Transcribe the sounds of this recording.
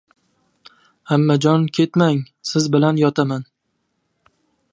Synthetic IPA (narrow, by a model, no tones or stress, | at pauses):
hamːad͡ʒɒnkʲʰe̞t̪maŋ | sɪzbɪlanjɒt̪ʰaman